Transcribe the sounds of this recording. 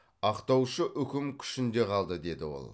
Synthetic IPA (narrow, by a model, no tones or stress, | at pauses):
ɑqt̪ɑwʃəʔʏkʲɪmkʲʰʏ̥ʃɪnd̪e̞qʰɑlˠd̪əd̪e̞d̪ɪwo̞̰lˠ